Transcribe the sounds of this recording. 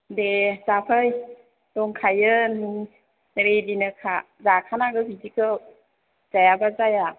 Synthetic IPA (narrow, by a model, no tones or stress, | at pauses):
dezapʰaj | dɔŋkʰajɯn | ɾedinɯkʰa | zakʰanaɡɯbidikɯw | z̥ajabazaja